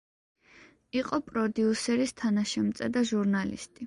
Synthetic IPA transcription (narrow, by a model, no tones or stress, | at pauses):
iqʼɔpʼɾɔd̪iusɛɾist̪ʰanaʃɛmt̪sʼɛd̪aʒuɾnalḭst̪ʼi